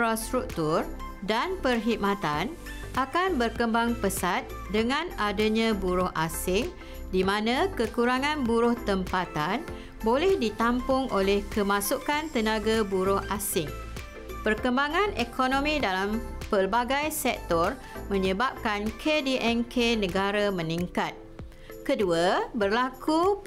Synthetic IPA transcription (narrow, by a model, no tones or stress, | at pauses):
ɾɔst̪ɾuk̚t̪ur | danpərɦiʔ̚mãt̪an | ʔakanbərkəmbaŋpəsat̪̚dəŋãnadaɲãbuɾʊhʔasɪŋ | dimãnãkəkuɾaŋãnbuɾʊht̪əmpat̪an | bolɛhdit̪ampʊŋʔolɛhkəmãsukant̪ənãɡabuɾʊhʔasɪŋ | pərkəmbaŋãnekʰonõmĩdalampərbaɡajsɛk̚t̪ɔr | mə̃ɲəbap̚kankʰediʔɛnkʰenə̃ɡaɾamə̃nĩŋkat̪̚ | kəduabərlaku